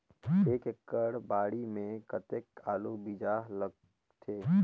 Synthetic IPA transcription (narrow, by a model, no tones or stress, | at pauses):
eːkekːəɽbaːɽimẽkət̪ekʰaːlobid͡ʒaːɦləɡ̚ | t̪ʰeː